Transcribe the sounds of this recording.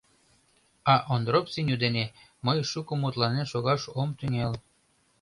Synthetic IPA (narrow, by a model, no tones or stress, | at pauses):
ɑʔond̪ɾopsinʲud̪ene | məjʃukomut̪lɑnenʃoɣɑʃomt̪yŋel